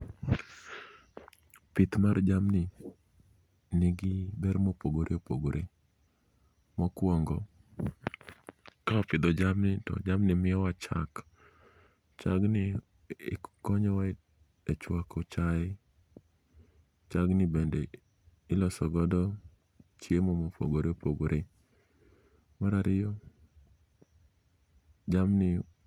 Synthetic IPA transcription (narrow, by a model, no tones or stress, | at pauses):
pɪt̪mard͡ʒamnɪ | nɪɡɪbɛɾmopoɡoɾeopoɡoɾʔe | mɔkwɔŋɡɔ | kaɔpɪd̪ɔd͡ʒamnɪtɔ̰d͡ʒamnɪmɪɔwat͡ʃa̰k | t͡ʃaɡnɪ | kɔɲɔwa | et͡ʃwakɔt͡ʃa | t͡ʃaɡnɪbende | ɪlɔsɔɡɔdɔ | t͡ʃjemomopʰo̰ɡoɾeopoɡoɾʔe | maɾaɾʔɪjɔ | d͡ʒamnɪ